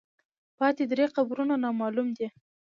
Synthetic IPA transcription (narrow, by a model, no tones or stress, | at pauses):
pɑt̪ed̪ɾeqabɾunanɑmɑlumd̪i